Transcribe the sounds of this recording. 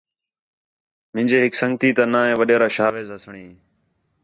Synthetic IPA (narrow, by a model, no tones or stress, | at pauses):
mɪ̃nd͡ʒeːɦɪksəŋɡt̪iːt̪ãːnãːɦẽːʋəɗeːɾaːʃaːʋeːzɦəsɳiː